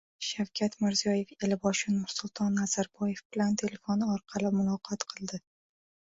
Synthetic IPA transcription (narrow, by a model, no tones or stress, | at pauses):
ʃawkʲʰat̪mɪɾzijɒje̞felɪbɒʃɪnmʊɾsʊlˠt̪ʰɒnːaz̥aɾbɒje̞fb̥ɪlant̪ʰe̞le̞fonɪɒɾqʰɑlɪmʊlˠɒqʰɒt̪qʰɨlˠd̪ɪ